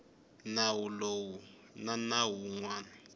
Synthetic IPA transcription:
nawulowu | nanawuŋwaːna

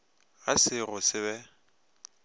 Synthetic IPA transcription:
asɪɣʊsɪβɛ

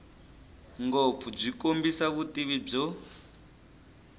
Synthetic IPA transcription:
ŋɡop̪fub͡ʐikombisaβutiβib͡ʐɔ

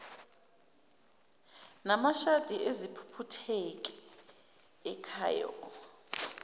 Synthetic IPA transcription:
namaʃad̥ʱiʔezipʰu̥pʰutʰɛk̬ʼɛ | ɛkʰa̰ːjɔ̰

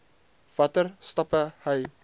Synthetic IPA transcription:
v̥ɐtərstɐpəhəj

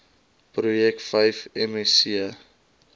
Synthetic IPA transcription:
pɾujɛk̚tfɐjfɛmɛsiə

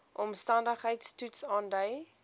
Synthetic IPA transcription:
ʔɔmstɐndəχɦəjtstutsɑːndəj

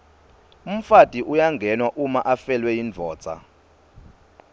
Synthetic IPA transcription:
um̩fatʼiʔujaŋɡʱɛnwaʔumaʔafɛlwɛjind͡ɮʱɔ̥ːt͡sʼa̰

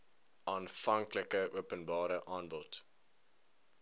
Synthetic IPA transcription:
ʔɑːnfɐŋkləkəʔuəpənbɑːɾəʔɑːnbɔt

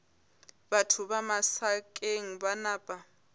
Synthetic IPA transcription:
batʰuβamasakʼeŋ̩banaːpʼa

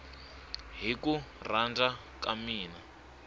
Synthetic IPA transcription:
ɦikurand͡za | kamiːna

